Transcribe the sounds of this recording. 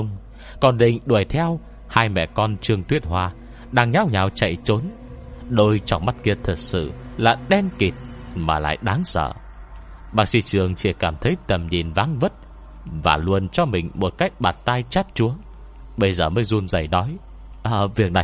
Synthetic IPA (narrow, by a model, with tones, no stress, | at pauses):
ŋ͡m | kɔ˨˩nɗḭ̈˧˨ŋ̟ɗu˨˩əjt̪ʰɛ˧w | haː˧jmɛ̰˧˨kɔ˧nt͡ɕɨ˧əŋt̪wi˦˥ət̚hwaː˧ | ɗaː˧ŋɲaː˨˦˥wɲaː˨˩wt͡ɕa̰˧˨jt͡ɕo˨˦n | ɗo˧jt͡ɕɔ˧˩ŋ͡mma˦˥t̚ki˧ət̪ʰə˨˩t̚sɨ̰˧˨laː˨˩ɗɛ˧nki˨˩t̚ma̰ː˨˩la̰ː˧˨jɗaː˨˦ŋsə̰ː˧˨ | ɓaː˧˥si˧t͡ɕɨ˨˩əŋt͡ɕi˧˩kaː˧˩mt̪ʰə˨˦jt̪ə˨˩mɲi˨˩nvaː˨˦ŋvə˦˥t̚ | va̰ː˨˩lu˧ənt͡ɕɔ˧mï˨˩ŋ̟mo˨˩t̚ka˦˥jk̟̚ɓaː˨˩t̚t̪aː˧jt͡ɕa˦˥t̚t͡ɕu˨˦əŋ | ɓə˧jzəː˨˩məː˨˦jzu˧nzə˨˩jnɔ˨˦j | ʔəː˨˩vi˨˩ək̚na˨˩